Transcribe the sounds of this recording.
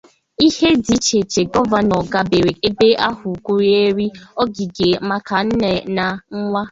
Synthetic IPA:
i˦he˦di˨t͡ʃe˨t͡ʃe˨ɡɔ˦va˨nɔ˨ɡa˨be˨ɾe˨e˦be˦ʔa˦hʊ˨kʷu˦ɾi˦e˦ɾi˦ɔ˦ɡi˨ɡe˨ma˦ka˨n̩˦ne˨na˨ŋ̩˦ŋʷa˦

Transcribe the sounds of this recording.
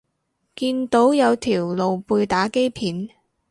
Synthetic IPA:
kiː˧nt̪o˨˥wjɐ˨˧wt̪ʰiː˨˩wlo˨wpuː˧jt̪aː˨˥ke˥jpʰiː˨˥n

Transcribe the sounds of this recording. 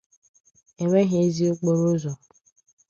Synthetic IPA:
e˨ŋʷe˦ɦe˦˨˦zi˦o˦k͡po˦ɾo˦zɔ˨

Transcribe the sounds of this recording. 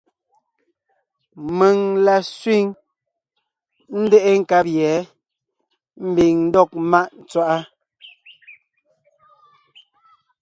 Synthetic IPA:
me˨ŋla˨sɥwi˦˨ŋ | n̩˦de˦ʔe˦ŋ̩˦˨ka˦p̚jɛ˨˦ | m̩˦bi˨ŋn̩˦dɔ˦˨k̚ma˦ʔn̩˨t͡swa˦ʔa˦

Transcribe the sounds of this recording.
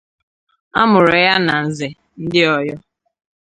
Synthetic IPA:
a˦mʊ˨ɾe˨ja˦na˨n̩˨ze˨ | n̩˦dɪ˦ɔ˦jɔ˦

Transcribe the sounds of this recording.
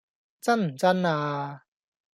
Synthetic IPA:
t͡sa˥˨nm̩˨˩t͡sa˥nːaː˧

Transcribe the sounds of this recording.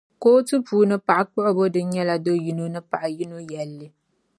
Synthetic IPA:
koː˦tɨ˦puː˨˦nɨ˦pa˨ʔa˨k͡pʊ˦ʔʊ˦bo˦dɨ˦n˦ɲɛ˦la˨do˦ji˦no˦nɨ˦pa˨ʔa˨ji˦no˦jɛ˨lːɨ˦

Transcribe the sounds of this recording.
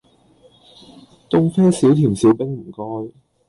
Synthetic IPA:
t̪ʊ˥ŋfɛː˥si˨˥wt̪ʰiː˨˩msiː˨˥wpɪ˥ŋm̩˨˩kɔː˥j

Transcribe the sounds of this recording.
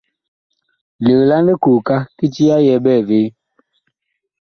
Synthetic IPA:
li˨ɣla˦nde˦ku˨ka˦ki˦t͡ʃi˦a˦jɛ˨˦bɛː˦˨ve˦

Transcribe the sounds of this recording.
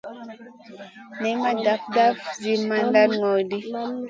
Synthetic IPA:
nɛ˨ma˦da˨fda˦fd͡ʒi˦ma˦nda˦lŋɔ˨jdi˦

